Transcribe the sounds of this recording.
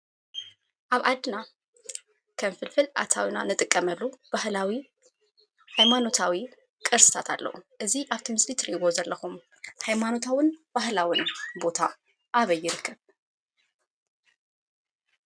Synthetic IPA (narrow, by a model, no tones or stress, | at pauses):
ʔaβʔad̪ːɨna | kʰɐmfɨlfɨlʔa̰t̪ʰawina̰nɨt̪ʼɨkʼːɐmɐlːub̥ahlawi | hajmano̞t̪ʰawi | kʼɨɾsɨ̥t̪ʰat̪ʰa̰lːɐ̰ʔuʔɨziʔaβt̪ʰɨmɨslit̪ʰɾiɡo̞zɐlːɐxum | hajmano̞t̪ʰawɨnb̥ahlawɨnbo̞t̪ʰa | ʔaβɐjːɪɾɨkʰːɨβ